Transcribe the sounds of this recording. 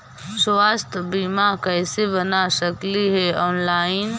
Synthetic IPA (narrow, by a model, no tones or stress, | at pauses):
swaːst̪ʰbiːmakɛːsebənaʃəkliɦɛɔːnlaːɪn